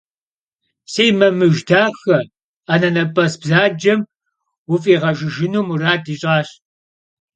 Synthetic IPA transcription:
seːjmɐmɨʒdaːxɐ | ɐnɐnɐpʼɐsbzaːd͡ʒɐm | wʊfʼiːʁɐʒɪʒɪnuːmuraːdiːɕʼaːɕ

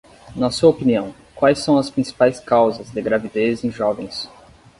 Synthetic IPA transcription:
nɐsuɐopiniɐ̃w̃ | kwajsːɐ̃w̃ɐspɾĩsi̥pajskawzɐzd̪ɪɡɾavid̪ezẽj̃ʒɔvẽj̃s

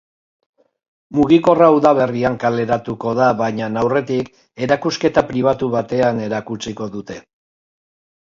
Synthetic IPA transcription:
muɣ̞iko̞rauðaβ̞e̞riaŋkale̞ɾat̪uko̞ðaβajɲanawre̞t̪ik | e̞ɾakuske̞t̪apɾiβ̞at̪uβat̪e̞ane̞ɾakut͡siko̞ðut̪e̞

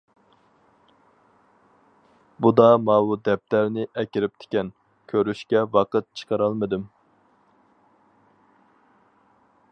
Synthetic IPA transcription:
bud̪ɑmɑbud̪ɛp̚t̪æɾnɪʔɛkʲiɾɪp̚t̪ʰɪ̥kʲɛn | kʲʰøɾyʃkʲɛwɑqət̪̚t͡ʃʰə̥qɑɾɑlˠmɨd̪ɨm

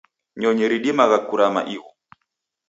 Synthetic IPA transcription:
ɲɔɲɛɾiɗimaɣakuɾama̰ʔiɣɔ

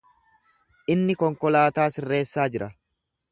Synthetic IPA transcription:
ʔɪnːɪkɔŋkɔlaːt̪aːsɪrːe̞ːsːaːd͡ʒɪɾʔɐ

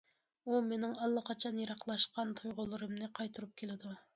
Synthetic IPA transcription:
umenɪŋɑlˠːəqʰɑt͡ʃʰɑnjɑɾɑqlˠɑʃqɑnt̪ʰujʁʊlˠɨɾɨmnɨqʰɑjt̪ʰuɾup̚kʲʰelɪd̪u

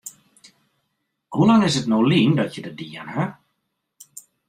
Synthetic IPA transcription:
hulaŋɪsətnowliːndɔtjədədiənhə

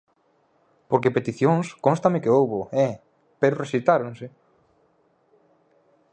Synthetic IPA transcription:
poɾkepet̪iθjõŋskõnst̪amɪkeowβoɛ | peɾoresit̪aɾoŋse

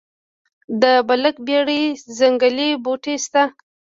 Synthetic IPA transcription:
d̪əbaləkbjaɽizaŋɡaleboʈest̪a

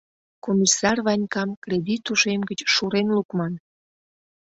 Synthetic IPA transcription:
komʲisɑrβɑnʲkɑmkred̪ʲit̪uʃemɡət͡ɕʃuɾenlukmɑn

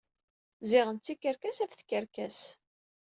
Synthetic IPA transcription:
zɪʁənt͡sːikːəɾkæsæfθkəɾkæs

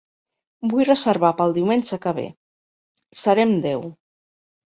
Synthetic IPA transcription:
bujrəzəɾβapəlˠd̪iwmenʲʒəkəβ̞ḛ | səɾɛmd̪ɛw

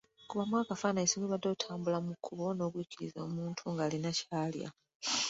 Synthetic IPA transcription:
kuβamwaːkafanaisoŋiβadːotʰaːmbulamukʰːuβo̞no̞ːkwiːciɾḭzo̞ːmuːntʰuŋɡaːlinacaːlja̰

